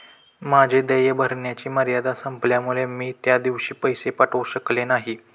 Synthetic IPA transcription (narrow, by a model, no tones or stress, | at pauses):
mad͡ʑʱed̪əjebʱəɾɳjat͡ɕiːməɾjad̪asəmpljamuɭemiːt̪jad̪iʋɕiːpəjsepaʈoɕəklenaɦiː